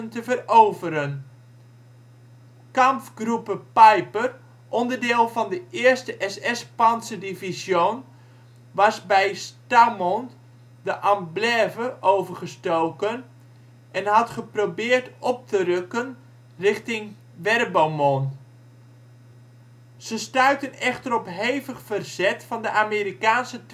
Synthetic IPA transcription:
əntəvəroːvəɾən | kamfɡrupəpajpər | ʔɔndərdɪːlˠvɑndəʔɪərstəʔɛsɛspansədivizjon | ʋɑsbɛjstamon | dəʔamblɛːvəʔowvərχəstowkən | ʔɛnɦɑtχəprobɪːrtɔp̚tərɵkən | rɪχtɪŋ | ʋɛrbomon | z̥əstœɥtənɛχtəɾɔpɦejvəχfərz̥ɛtfɑndəʔaːmeːɾikaːnsət

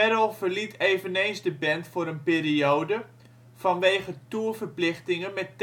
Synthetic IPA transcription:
ɛɾəlˠfərlitʰeːvənejnszdəbɛntfʊːɾənpeːɾiowdə | fɑnʋeːχətuəfərplɪχtɪŋəmɛtː

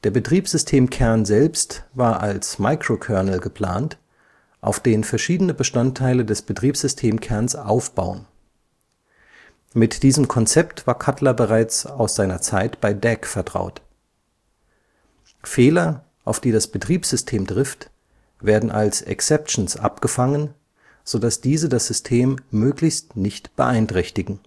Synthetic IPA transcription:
d̥eːɐbətʁ̥iːpsz̥ʏstʰeːmkʰɛɐnzɛlpstvaːɐʔalsmaɪkʁ̥okʰœɐnəl̩ɡəpʰl̥a̰ːnt | ʔa̰ʊfd̥eːnənfɛɐʃiːdənəbəʃtantʰːaɪlədɛsb̥ətʁ̥iːpz̥ʏstʰeːmkʰɛɐnsʔa̰ʊfb̥a̰ʊən | mɪtd̥iːzəmkʰɔnt͡sɛptv̥aːɐkʰatlɐbəʁaɪt͡saʊsz̥aɪnɐt͡saɪtb̥aɪdɛkfɛɐtʁ̥a̰ʊt | feːlɐ | ʔaʊfd̥iːdasb̥ətʁ̥iːpsz̥ʏstʰeːmtʁ̥ɪft | veːɐdn̩ʔa̰lsɛ̰ksɛpʃn̩sʔa̰pɡ̥əfaŋən | z̥odasd̥iːzədasz̥ʏstʰeːmːøːklɪçstnɪçtb̥ə̰ʔaɪntʁ̥ɛçtɪɡŋ̩

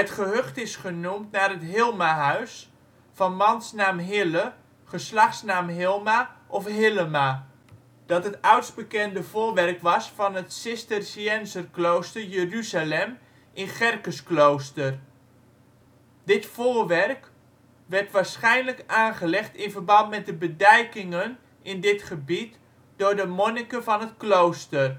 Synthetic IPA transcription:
ətχəɦøχtɪsχənumtnaːrɦətɦɪlˠmaɦœɥs | fɑnmɑnsnaːmɦɪlə | χəslɑχsnaːmɦɪlˠmaʔɔfɦɪləma | d̥ɑtɦətœɥtsbəkɛndəvoːɹʋɛrkʋɑsfɑnətsɪstərsiɛnzərklowstərjəryzalɛm | ʔɪnχɛrkəsklowstər | dɪtfoːɹʋɛrk | ʋɛrtʋaːɹsχɛjnləkaːnχəlɛχtɪnvərbɑntmɛt̚dəbədɛjkɪŋən | ɪndɪtχəbit | d̥ʊːɹdəmonɪkəvɑnətklowstər

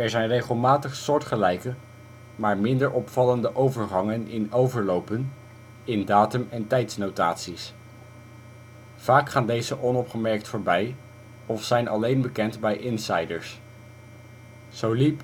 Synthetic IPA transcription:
ɛɹzɛjnrejχəlˠmaːtəχsʊɹtχəlɛjkə | maːɹmɪndəɹʔɔpfɑləndəʔowvəɹχɑŋənɪnowvəɹlowpən | ɪndaːtɵmɛntɛjtsnowta̰ːtsis | v̥aːkχaːndejzəʔɔnɔpχəmɛɹk̚tfoːɹbɛj | ɔfsɛjnʔɑ̰lejnbəkɛntbɛjʔɪnsɑjdəɹs | z̥owlip

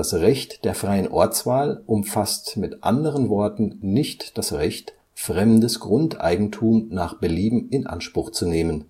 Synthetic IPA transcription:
asʁɛçtd̥eːɐfʁ̥aɪənʔɔɐt͡sv̥aːlʔʊmfastmɪtʔa̰ndəʁənvɔɐtn̩nɪçtd̥asʁɛçt | fʁ̥ɛmdəsɡ̥ʁʊntʔa̰ɪɡŋ̩tʰuːmnaːχb̥əliːbm̩ɪnʔa̰nʃpʁ̥ʊχt͡suneːmən

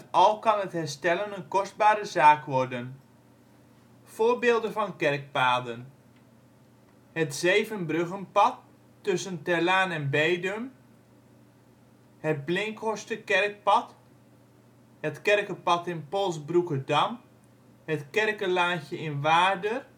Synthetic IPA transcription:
ɑlˠkɑnɦəthɛɹstɛlənənkɔsd̚baːɾəzaːkʋɔrdən | fʊːɹbɪːlˠdənvɑnkɛrk̚paːdən | hətz̥ejvənbrøɣənpɑtː | ɵsəntɛlaːnɛnbejdəm | həd̚blɪŋkɔstəkɛrk̚pɑt | hətkɛrkəpɑtɪnpɔlˠsbrukədɑm | hətkɛrkəlaːçjəɪnʋaːdər

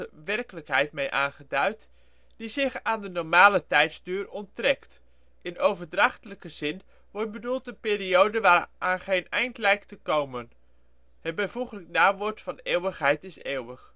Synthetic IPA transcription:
əʋɛrkələkɦɛjtmejʔaːnχədœɥt | d̥izɪχaːndənɔɹmaːlətɛjtzdøːrɔntrɛkt | ʔɪnowvəɹdrɑχtələkəzɪn | ʋɔɹt̚bədulˠtənpɪːriowdəʋaːrʔaːnχenɛjntlɛjktəkowmən | hət̚bəjvuχələknaːʋɔɹtfɑneːwəχɦɛjtɪseːwəχ

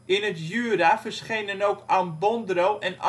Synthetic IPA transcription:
ɪnətjyːəɾafərsχejnənowkʰanbɔndrowʔɛna̰

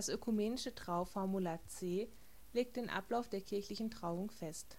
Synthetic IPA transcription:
asʔøkʰumeːnɪʃətʁ̥aʊfɔɐmulaːt͡seː | leːk̚td̥eːnʔa̰plaʊfd̥eːɐkʰɪɐçlɪçn̩tʁ̥aʊʊŋfɛst

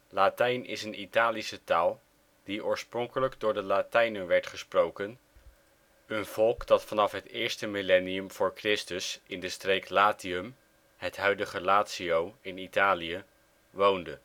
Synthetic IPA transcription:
latɛjnɪ̰sənʔitaːlisətaːlˠ | d̥iʔʊːɹsprɔŋkələɡdʊːɹdəlatɛjnənʋɛɹtχəsprowkən | ənv̥ɔlˠkdɑtfɑnɑfɦətɪːɹstəmilɛniəmv̥ʊːɹkrɪstəsɪndəstrejklaːtiɵm | ɦətɦœɥdəχəlaːtsiowɪnitaːliə | ʋowndə

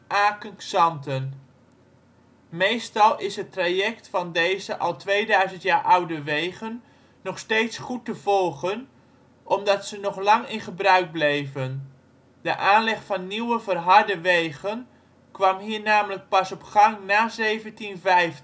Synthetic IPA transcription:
ʔaːkənksɑntən | mejstɑlˠɪsɦətrajɛktfɑndejzəʔɑlˠtʋejdœɥzəntjaːɹʔɑwdəʋejɣənː | ɔχsteːtsχutəv̥ɔlˠχən | ʔɔmdɑtsənɔχlɑŋɪnχəbrœɥk̚blejvən | d̥əʔaːnlɛχfɑnːiwəvərɦɑɹdəʋejɣən | kʋɑmɦiːɹnaːmələk̚pɑsɔpχɑŋnaːzejvəntinvɛjf

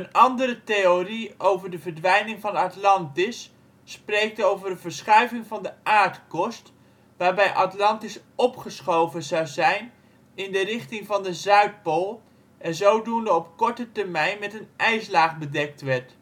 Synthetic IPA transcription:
ənɑndəɾətejoriowvəɹdəvəɹdʋɛjnɪŋvɑnɑtlɑntɪsː | prejk̚towvəɹdəvəɹsχœɥvɪŋvɑndəʔaːɹtkɔst | ʋaːɹbɛjʔɑtlɑntɪs | ɔpχəsχowvənzɑwzɛjn | ɪndərɪχtɪŋvɑndəzœɥt̚polˠ | ʔɛnzowdundəɔpkɔɹtətəɹmɛjnmɛtənʔɛjslaːχbədɛk̚tʋɛɹt

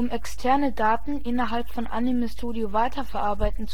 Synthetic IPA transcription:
ʊmɛkstʰɛɐnədaːtn̩ʔɪnɐɦalpfɔnʔa̰nimɪstʰoːdjovaɪtʰɐfɛɐʔaɐbaɪtn̩t͡s

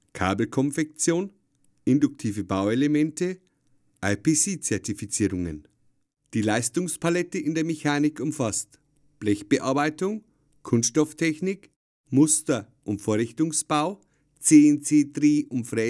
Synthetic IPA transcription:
kʰa̰ːbl̩kʰɔnfɛk̚t͡sjoːn | ʔɪndʊk̚tʰiːvəbaʊelemɛntə | ʔaɪpʰeːsiːt͡sɛɐtifit͡siːʁʊŋə̰n | d̥iːlaɪstʊŋspʰalɛtəʔɪndeːɐmeçaːnɪkʰʊmfast | b̥lɛçb̥əʔa̰ɐbaɪtʊŋ | kʰʊnsʃtɔftʰɛçnɪk | mʊstɐ | ʔʊntfoːɐʁɪçtʊŋsb̥aʊ | t͡sent͡seːdʁiːʔʊntfʁ̥ɛ

